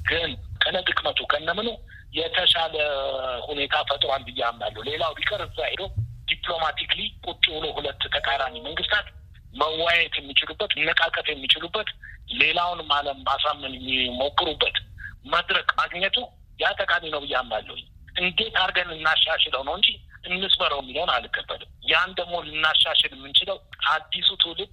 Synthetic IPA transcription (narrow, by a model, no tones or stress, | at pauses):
ɡɨnkʰənət̪ʼɨkʼmət̪ʰukʰənːəmɨno | jɛt̪ʰəʃaləhune̞t̪ʰafət̪ʼɾwanbɨjːamːalːəhwle̞lawlikʼəɾɨzahɪd̪owd̪̥ipʼlo̞mat̪ʰiklikʼut͡ʃʼːiwlohulət̪ːt̪ʰəkʼalamiməŋɡɨst̪ʰat̪ | məwːajɛt̪jɛmːit͡ʃɪlubːət̪ɨnːɨkʼakʼət̪jɛmːit͡ʃɪlubːət̪le̞lawʊnmaləmmasamːɨnɛmːimo̞kʼːɨɾubːət̪məd̪ɾəkʼmaɡɲət̪ʰu | jat̪ʼəkʼaminəwbɨjːamːalːə̰huɲː | ʔɨnd̪e̞t̪aɾɡənɨnːaʃːaʃɛləwnəwɨɲd͡ʒiʔɨnːɨsməɾəwmːiləwnalɨɡəbːə̰lɨmjand̪əɡmo̞lɨnːaʃaʃɛlɨmːɨnt͡ʃɪləwʔad̪ːisut̪ʰɨlɨd̪